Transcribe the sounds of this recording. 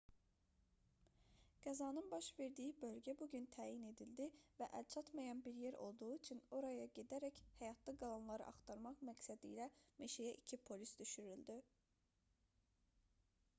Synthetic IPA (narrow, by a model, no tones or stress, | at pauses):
ɡ̥æzɑːnɯnbɑʃve̞ɾd̪ijibø̞lʲɟæbuɟynt̪ʰæːjine̞d̪ilʲd̪ivæʔælʲt͡ʃʰɑt̪mɑjɑnbiɾjeɾo̞̰lˠd̪uːit͡ʃʰyno̞ɾɑjɑɟed̪æɾæchɛjɑt̪ʰlˠɯɡɑlˠɑnlˠɑɾɯ̰ʔɑχt̪ʰɑɾmɑχmæcsæd̪ijlæme̞ʃejæʔicʰipʰo̞lʲisd̪yʃyɾylʲd̪i